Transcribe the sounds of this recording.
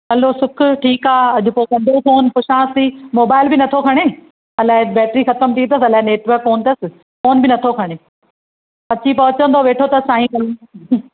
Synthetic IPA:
ɐlosʊkʰʊʈʰiːkaːɐd͡ʑʱʊ̆poːkɐ̃ɳɖ̪ʱõfoːnpʊʃãːsiːmoːbaːɪlbɪnɐt̪ʰokʰɐɽ̃eː | ɐlaːɪbɛːʈɾixɐt̪əmt̪ʰĩt̪ɐsɐlaːɦɪneːʈʋəɾkːoːnɪt̪ɐsɪ̆ | foːnbɪnɐt̪ʰokʰɐɽ̃eː | ɐt͡ɕipɐɦʊt͡ɕə̃nd̪oʋeːʈʰot̪ɐssaːɦĩkɐl

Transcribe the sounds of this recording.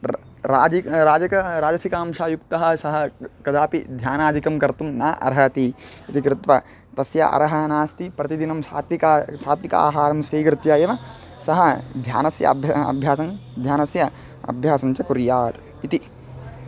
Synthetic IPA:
ɾaːd͡ʒiɾaːd͡ʒɐkɐɾaːd͡ʒɐsikaːmʂaːjukt̪ɐɦɐ̆sɐɦɐ̆kɐd̪aːpid̪ʱjaːnaːd̪ʱikɐmkɐɾt̪umnɐ̰ːʔɐ̰ɾɦɐt̪i | it̪ikɾɪt̪ʋɐ | t̪ɐsjɐ̰ʔɐ̰ɾɐɦɐɐnaːst̪ipɾɐt̪id̪inɐmsa̰ːt̪ʋikasaːt̪ʋika̰ːɦaːɾɐmsʋiːɡɾɪt̪jaːjɐʋɐ | sɐɦɐd̪ʱjaːnɐsjɐ̰bʱɐɐ̰bʱjaːsɐnd̪ʱjaːnɐsjɐ | ɐ̰bʱjaːsɐnt͡ʃɐkuɾjaːt̪ | it̪i

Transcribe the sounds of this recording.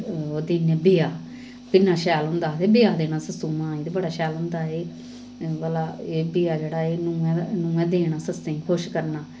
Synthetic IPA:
oːd̪iːnẽːbɪjaː | t̪ɪnːãːʃɛːlɦʊ̃nd̪aːt̪eːbɪjaːd̪eːnãːsəsuːmãːiːd̪ebəɽaːʃɛːlɦʊ̃nd̪aːeː | ʋəlaːeːbɪjaːd͡ʒeːɽaːeːnũːɛ̃nũːɛ̃ːd̪eːɽãːsəsẽkʰoʃkəɾnaː

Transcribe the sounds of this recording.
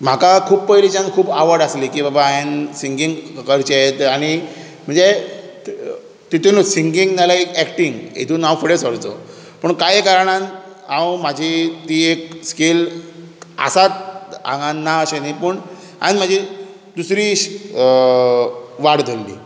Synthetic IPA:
m̤akakʰuːbpəjlid͡ʑãnkʰuːbaʋəɾɖəslikiːbabainsiŋɡiŋɡkəɾt͡ɕeet̪aɽ̃i | m̤əɳd͡ze | t̪it̪ʰenosiŋɡiŋɡnalaekɛkʈiŋɡḛt̪uːnãwfəɽesəɽt͡so̰ | pəɳkajekaɾɳ̃an | ãwmad͡ʑʱit̪iːekskel | a̰sat̪̚ã̰ŋɡãnːaəɕenipəɳ | a̰nim̤ad͡ʑʱi | d̪usɾiɕ | ʋaɽd̪ʱəlːḭː

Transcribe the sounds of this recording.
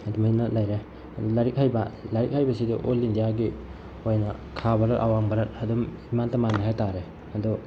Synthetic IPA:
aduminɐlajɾe | dlaɾik̚hajbalaɾik̚hajbɐsiduʔolːindijaɡi | ojnɐkʰabalaɾʔa̰waŋbalatɐdumimantɐmanaɦajtaɾe | ɐdɔ

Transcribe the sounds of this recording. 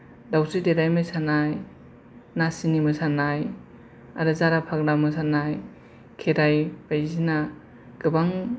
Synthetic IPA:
dawsɯdeɾajmɯsʰanaj | nasinimɯsanaj | aɾɯzaɾapʰak̚namɯsʰanaj | kʰeɾajbajzina | ɡ̥ɯbaŋ

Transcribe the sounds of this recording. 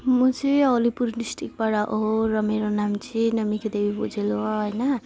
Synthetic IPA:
mut͡sʰiolipuɾɖisʈik̚baɽaʔoɦoɾʌmeɾonamt͡sʰinʌmiked̪ebibud͡zʱeloɦojnʌ

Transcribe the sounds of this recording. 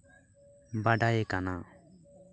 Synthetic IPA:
baɖajekana

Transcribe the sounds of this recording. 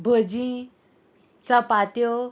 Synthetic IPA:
bʱəd͡ʑĩ | t͡sapat̪jo

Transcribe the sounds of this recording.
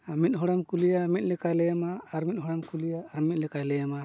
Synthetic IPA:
amit̪̚ɦɔɽamkulijamit̪̚lɛkajlɛamaːɾmit̪̚hɔɽamkulijaːɾmit̪̚ˀlɛkajlɛjama

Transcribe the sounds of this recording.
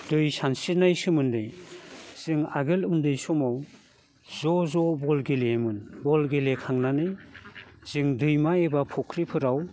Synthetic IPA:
dɯjsansiɾnajsɯmɯndɯjz̥ɯŋa̰ɡɯlundɯjsɔmaw | zɔzɔbɔlɡelemɯnbɔlɡelekʰaŋnanɯj | z̥ɯŋdɯjmaebapʰɔkʰɾipʰɯɾaw

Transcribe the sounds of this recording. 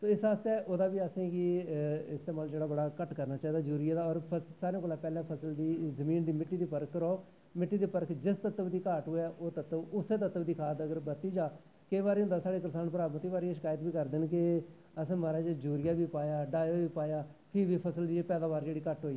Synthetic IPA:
t̪oːɪsaːst̪eʔoːd̪aːbiːəsẽːɡiɪst̪eːmaːld͡ʒeːɽaːbəɽaːkəʈkəɾnaːt͡ʃaːiːd̪aːd͡ʒuːɾɪjaːd̪aːɔːɾpʰəsaːɾeãkoːlaːpɛːlɛ̃ːpʰəsəld̪iːzəmiːnd̪iːmɪʈːiːd̪iːpəɾkːəɾɔː | mɪʈːiːd̪eːpəɾkd͡ʒɪst̪ət̪ːəʋd̪iːkaːʈɦoːɛːʔoːt̪ət̪ːəʋʊseːt̪ət̪ːəʋd̪iːkʰaːt̪əɡəɾbət̪iːd͡ʒaː | keːʋaːɾiːɦʊ̃nd̪aːsaːɽeːk̬əɾsaːnpɾaːmət̪iːbaːɾiːeʃɪkaːjət̪biːkəɾd̪ɪnkɪ | əsẽːmaɾaːd͡ʒed͡ʒuːɾɪjaːbiːpaːjaːɖaːjoːbiːpaːjaːkʰɪʋiːpʰəsəld̪iːeːpɛːd̪ãːbaːɾd͡ʒeːɽiːkəʈɦoːiː

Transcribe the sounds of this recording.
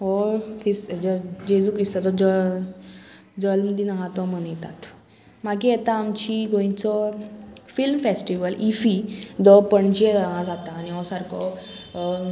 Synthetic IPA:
ɔkisd͡ʑəd͡ʑesukɾist̪at͡sɔd͡zə | d͡zəlməd̪ʱjinaɦãt̪ɔmənjɛt̪a̰t̪ | makiɛt̪aːmt͡ɕiɡõĩt͡sɔ | filmfesʈiʋəlifid̪ɔpəɳd͡ʑed͡zaɦãd͡zat̪aːñiɔsaɾkʰɔ

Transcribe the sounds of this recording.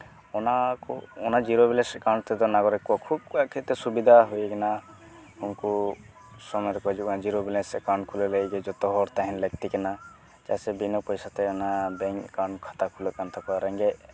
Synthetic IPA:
ɔnakɔ̰ɔnad͡ʒiɾobilɛsɛkawɳɖt̪ɛd̪ɔnaɡɔɾɛkuakʰub̚kuaʔkʰet̪ɛsubid̪ʱaɦujkɛna | unku | sɔmɔjɔɾɛkɔad͡ʒuɔnad͡ʒiɾobilɛskawɳkʰulɔleɡɛd͡ʒɔt̪ɔɦɔɾt̪aɦinleɡ̚t̪ikɛna | t͡ʃasɛbinɔpɔjsat̪ɛɔnabɛŋkaɳɖkʰḁt̪akʰulɔkant̪ʰɔkɔaɾɛŋɡɛ

